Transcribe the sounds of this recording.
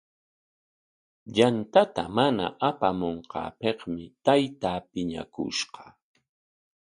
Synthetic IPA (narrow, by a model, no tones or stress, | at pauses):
ʎant̪at̪amana̰ʔapamoɴqɑ̰ːpeχmɪt̪ajt̪aːpɪɲa̰kʊ̰ʃɢɑ̥